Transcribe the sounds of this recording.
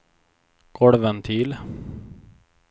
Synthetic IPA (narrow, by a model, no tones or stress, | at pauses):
ɡ̥ɔɽʋənt̪ʰiːl